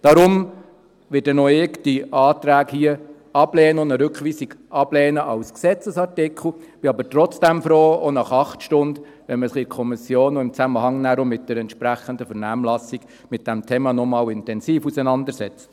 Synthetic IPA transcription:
d̥ɑɾʊm | ʋɪtdɛnɔɪktiɑːt̪ɾæːkhiə | ɑb̥lɛːnəʊnəɾʏkχʋiːsiɡɑb̥lɛːnəʔɑʊsksɛt͡səsɑɾtɪkʰl̩b̥ɪɑbəɾtrɔt͡sd̥æmfɾoːonɑχɑχtʃtʊnd̪ | ʋɛnməsɪχɪɾkʰɔmɪsjoːnɔɪmt͡sæməhɑŋnæːɾʊmɪt̚d̥ɛɾɛntʃpɾæχəndəfəɾnæmlɑsiɡ̥ | mɪt̚d̥ɛmtʰeːmɑnɔmɑːwɪntɛnsiːfusɛnɑndəɾsɛt͡sə̥

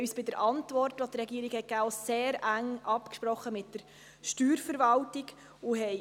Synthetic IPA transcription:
yːsb̥ɪdəɾʔɑntʋɔrtʋɔtɾɛɡiːəɾiɡhɛtkæːoseːɾæŋʔɑpkʃpɾɔχːəmɪtdəɾ | ʃtyːɾfəɾʋɑltɪɡ | ʊɦɛj

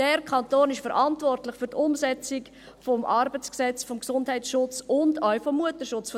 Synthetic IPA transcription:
d̥ɛɾkʰɑntoːnɪʃfəɾʔɑntvɔrtlɪχfʏɾtʊmsɛt͡sɪk | fɔmʔɑɾbət͡sksɛt͡sfɔmksʊndɦɛɪt͡sʃʊt͡sʊndœʊfɔmːuətəʃʊt͡sf

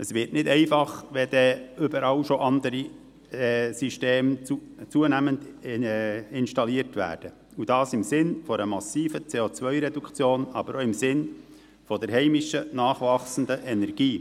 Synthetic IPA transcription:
ʔəsʋɪɾtnɪdɛɪfɑχʋɛd̥̪ɛːʏbəɾɑwʃoʔɑndəɾi | siʃteːmt͡suənæmənd | ɪnʃtɑliəɾtʋæ̰ːɾd̥ə | ud̥ɑːsɪmsɪnfɔɾəmɑsiːfət͡seːot͡svœʏɾɛdukʰt͡sjoːnɑbəɾoɪmsɪn | fɔdɛɾɦɛɪmɪʃənɑːχʋɑχsən̩dəʔɛnɛɾɡ̥iː

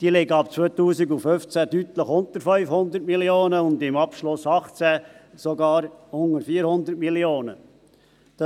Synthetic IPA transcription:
d̪̥iːəlɪɡəɑpt͡sʋøːt̪uːsiɡuføft͡sædyt̪ləχʊnt̪əɾfœʏfhʊnd̪əɾtmilioːnəʊnd̪ɪmɑpʃlʊsɑχt͡sæsoɡɑːɾʊŋəɾfiːəɾhʊnd̪ətmiljoːnə̰ | d̥

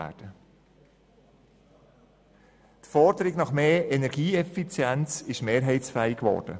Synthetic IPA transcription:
æ̰ːd̥ə | t̪fɔɾdəɾɪɡnɑχmeːɛnɛɾɡ̥iːɛfit͡sjɛnt͡sɪʃmeːɾɦɛɪt͡sfɛɪkʋɔ̰ːɾd̥ə̰

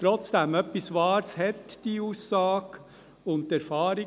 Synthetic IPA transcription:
t̪ɾɔt͡sd̥̪ɛmœpːisʋɑːɾshɛt̪d̥iːuːsːɑːɡ̥ | ʊntːæɾfɑːɾɪ

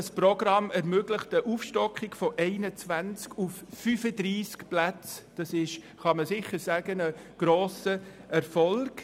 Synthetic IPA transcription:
sprɔɡɾɑmɛɾmøːɡləχtəʔufʃtɔkχɪɡ̥fɔʔɛɪnət͡svænt͡skʰufːyfədɾiːskplæt͡sd̥ɑsɪʃ | χɑməsɪçəɾsæɡ̥ənəɡ̥ɾoːsəɛɾfɔlɡ̥

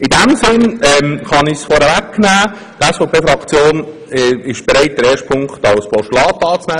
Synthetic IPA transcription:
ɪdæmsɪnɛmχɑnɪçsfɔɾɛvækːnæː | d̥ɛsfɔpʰeːfɾɑkt͡sjoːn | ɛɪʃb̥eɾɛɪt̚d̥̪əɾɛːʃtpʰʊŋktɑwspɔʃtlɑːt̪ːɑːt͡snæː

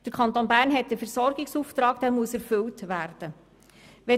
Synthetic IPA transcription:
d̥əɾkʰɑntoːnbæːɾnɦɛtːəfɛɾsɔɾɡɪksuft̪ɾɑːɡd̥æːɾmuəsɛɾfɵltʋæːrd̥ə | ʋɛ

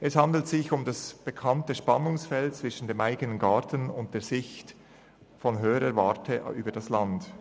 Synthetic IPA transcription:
ʔɛshɑndl̩tsɪçʊmdɑsb̥əkʰɑntəʃpɑnʊŋsfɛltt͡sv̥ɪʃn̩deːmʔaɪɡənənɡɑːtən̩ʊnt̚d̥eːz̥ɪçt | fɔnɦøːəɾəvɑːtʰəʔy̰ːbəd̥ɑslɑnd

